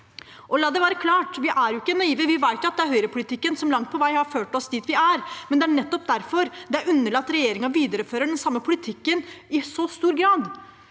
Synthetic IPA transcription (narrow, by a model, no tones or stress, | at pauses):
ʔɔlɑːd̪ɛʋæːɾəkʰlɑːʈʋɪʔæɾjʊɪkːənːœiːʋəʋɪʋæɪt̪jʊɑt̪d̪ɛæɾhœʏɾəpʰʊlɪt̪ʰɪkːənsɔmlɑŋt̪̚pʰɔʋæɪhɑɾføːʈɔsd̪iːt̪ʋɪæɾmɛnd̪ɛæɳɛt̪ːɔp̚d̪æɾfɔɾd̪ɛæɾʉnːəɭɑt̪ːɾɛjeːɾɪŋɑʋiːd̪əɾəføːɾəɖɛnsɑmːəpʰʊlɪt̪ʰɪkːənɪsɔst̪uːɾɡɾɑːd̪